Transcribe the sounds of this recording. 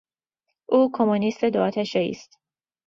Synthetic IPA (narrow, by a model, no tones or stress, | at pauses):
ʔuːkʰomunist̪ed̪oɒt̪ʰæʃɛḭst̪